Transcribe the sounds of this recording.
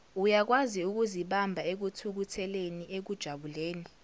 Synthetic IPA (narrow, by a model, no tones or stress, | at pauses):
ujak̬waziuk̬uziɓambʱaek̬utʰuk̬utʰɛleniʔek̬ud̥ʒ̥ʱaɓuleːni